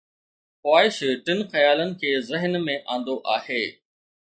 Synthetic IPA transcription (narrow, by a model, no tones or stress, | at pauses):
xwʋaːɪʃʈɪnxɐjaːlənɪ̆kʰeːzɪɦnmẽʔãːn̆d̪oʔaːɦeː